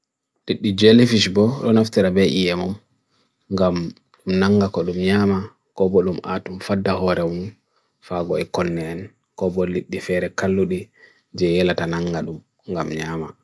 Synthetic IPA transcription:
liɗːid͡ʒelefiʃbɔɗɔnaftiɾabɛʔijɛmɔm | ŋɡam | mnaŋɡakɔɗumɲaːma | kɔbɔɗumʔa̰tumfadːahɔɾɛwun | faɡɔɛkɔnːɛːn | kɔbɔliɗːifɛɾɛkalːuɗi | d͡ʒɛjɛlatanaŋɡaɗum | ŋɡamɲaːma̰

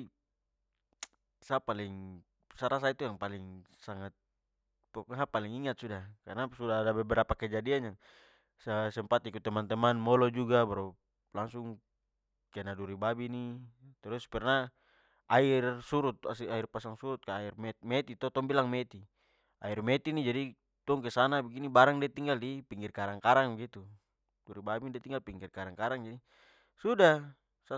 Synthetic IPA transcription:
sapaliŋ | saɾas̬ait̪ujaŋpaliŋ | saŋat̪̚ | paɦapaliŋiŋat̪̚sudakarnasudaadabɛbɛɾapakɛd͡ʒadianaŋ | səsɛmpat̪ikut̪ɛmant̪ɛmanmɔlɔd͡ʒuɡabaɾɔ | laŋsuŋ | kɛnaduɾibabinit̪ɛɾuspɛrna | airsuɾut̪̚asiairpasaŋsuɾut̪̚kaːirmɛt̪mɛt̪it̪ɔt̪ɔŋbilaŋmɛt̪i | airmɛt̪inid͡ʒadi | t̪ɔŋk̬ɛsanabɛɡinibaɾaŋdiat̪iŋɡaldipiŋɡirkaɾaŋkaɾaŋbɛɡit̪u | duɾibabindiɛt̪iŋɡalpiŋɡirkaɾaŋkaɾaŋd͡ʒadi | suda | sa

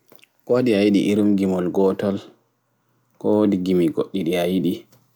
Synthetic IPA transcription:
kodiajiɗḭʔiɾumɡimɔlɡɔtɔl | kɔdiɡimiɡoɗːiɗiajiɗi

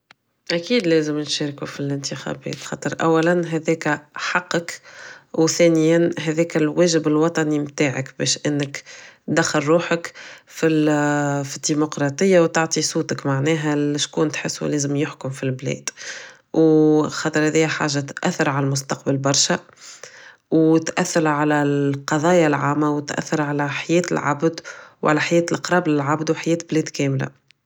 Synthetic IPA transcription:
ʔækiːd̪lɛːzəmnʃɛːɾkufilɪnt̪əxæ̰bɛ̰ːt̪xɑ̰ːt̪ˤəɾˤʔæ̰wːælænɦɛðɛːkæħɑqːɑkwθɛːnɪjænɦæðɛːkælwɛːʒɪbɪlwɑt̪ˤɑnimt̪aːʕə̰kbɛ̰ːʃʔɪnːəkd̪æxːɑɾːuːħəkfi | fid̪ːimʊqɾˤɑt̪ˤəjːawt̪aʕt̪ˤisuːt̪əkmaʕnɛːɦæʃkuːnt̪ħɪsːulɛːzəmjʊħkʊmfilblɛ̰ːd̪̥ | wxɑt̪ˤəɾhɛðiːæħa̰ːʒːat̪ʔæθːɪɾʕalælmʊs̬t̪ɑqbalbɑɾˤʃa | wt̪ʔæθːɪɾʕalæqɑðˤɑːjalʕaːmːawɪt̪ʔæ̰θːɪɾʕalæħajɛːt̪ɪ̰lʕa̰bd̪wʕa̰læħajɛːt̪lʔɪqɾˤɑːblɪlʕabd̪wħajɛːt̪blɛːd̪kɛːmla̰

